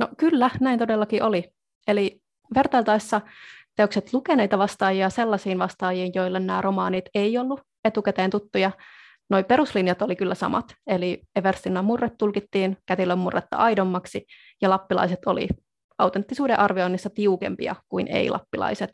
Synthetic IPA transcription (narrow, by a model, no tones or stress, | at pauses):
nokylːænæint̪odelːɑkiʔoli | eli | ʋe̞rt̪ɑilt̪ɑisːɑt̪eokset̪lukeneijt̪ɑʋɑst̪ɑːjiɑse̞lːɑsiːnʋɑst̪ɑːjiːnjoilːennæ̰ːrʔomɑːnit̪eiolːu | et̪ukæt̪eːnt̪ut̪ːujɑ | no̞ipe̞ɾuslinjɑt̪olikylːæsɑ̰mɑ̰t̪elieʋerst̪inːɑmurːet̪t̪ːulkit̪ːiːnkæt̪ilːømːurːʔḛt̪ːɑ̰ɑidomːɑksi | jɑlɑpːilɑ̰iset̪o̰lḭ | ɑwt̪ent̪ːisuːdeʔɑrʋio̞inːisːɑt̪iukḛmpḭɑ̰kuinʔḛilʔɑ̰pːilɑ̰iset̪